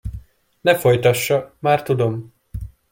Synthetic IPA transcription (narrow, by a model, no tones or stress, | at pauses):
nɛfo̞jt̪ɒʃːɒmaːrt̪ud̪o̞m